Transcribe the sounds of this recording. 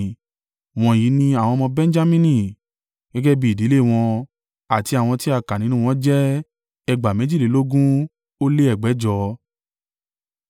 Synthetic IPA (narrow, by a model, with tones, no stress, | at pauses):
w̃ɔ̃˧ji˨˦nĩ˧a˨w̃ɔ̃˧mɔ̃˧bɛ̃˦n̩˦d͡ʒa˦mĩ˦nĩ˧˨ | ɡ̥ɛ˦ɡɛ˦bi˦˨di˨˦le˦˨w̃ɔ̃˧ | a˨ti˧a˨w̃ɔ̃˧ti˦a˦˨ka˨nĩ˨˦nũ˦w̃ɔ̃˦d͡ʒɛ˦ | ɛ˧ɡ͡ba˨mɛ̃˨˦d͡ʒi˦˨le˨˦lo˦ɡũ˦ | o˦le˦ɛ˦˨ɡ͡bɛ˨˦d͡ʒɔ˧˦